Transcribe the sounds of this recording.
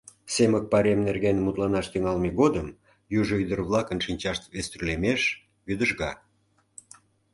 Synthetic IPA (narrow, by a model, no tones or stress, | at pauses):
semək̚pɑɾemnerɣenmut̪lɑnɑʃt̪yŋɑlmeɣod̪əm | juʒoyd̪ərβlˠɑkənʃinʲt͡ɕɑʃt̪vest̪ɾylemeʃ | βyd̪əʒɣɑ